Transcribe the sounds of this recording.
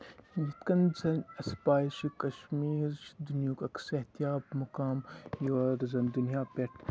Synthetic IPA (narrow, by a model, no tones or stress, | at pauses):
jit̪kɐnzɐnʲɐspaːjʃikɐʃmiːɾt͡ʃd̪unjuːkɐksɐɦt̪ijaːbmɐkaːmjoːɾzɐnd̪unijaːpʲeʈʰ